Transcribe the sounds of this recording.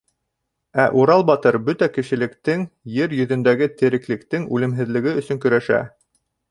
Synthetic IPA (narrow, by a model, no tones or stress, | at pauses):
æʔuɾɑlˠbɑt̪ɤɾbɵt̪ækɘ̆ʃɘ̆lɘ̆kt̪ɘŋjɘɾjɵ̆ðɵ̆nd̪æɡɘt̪ɘ̆ɾɘ̆klɘ̆kt̪ɘŋʉlɘ̆mɦɘ̆ðlɘ̆ɡɘɵ̆sɵŋkɵ̆ɾæʃæ̰